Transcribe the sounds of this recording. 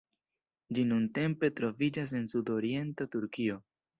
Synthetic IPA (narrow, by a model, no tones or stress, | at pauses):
d͡ʒinunte̞mpe̞tɾo̞vid͡ʒas̬e̞nsudo̞ɾie̞ntatuɾkio̞